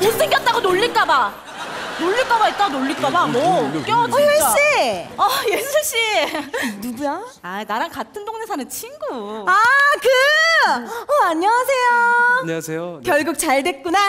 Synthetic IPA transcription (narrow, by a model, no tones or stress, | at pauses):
konsʰeŋɡjʌt̚t͈aɡonoʎːik͈aba | noɭʎːik͈abait̚t͈aɡonoʎːik͈abamɔk͈jʌeɕ͈iʌjesʰoɕ͈i | nuɡujaanaɾankatʰɯndoŋnesʰanɯnt͡ɕʰiŋɡuakɯ | ʌaɲːʌwasʰe̞jo | eokjʌɭɡuk̚t͡ɕaɭdwe̞t̚k͈una